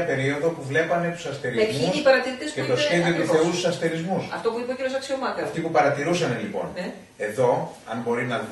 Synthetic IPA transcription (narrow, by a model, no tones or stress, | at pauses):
ɐpe̞ɾio̞ðo̞puvle̞pɐme̞t̪u̥sɐst̪eɾiezmiusipɐɾɐt̪iɾit̪eset̪ot̪iðiot̪uθe̞ust̪u̥sɐst̪eɾizmusɐ̰ft̪o̞puipeciɾjosɐksiomɐkɐft̪ipupɐɾɐt̪iɾusɐne̞lipo̞̰n | e̞ðo̞ɐ̰nbo̞ɾinɐ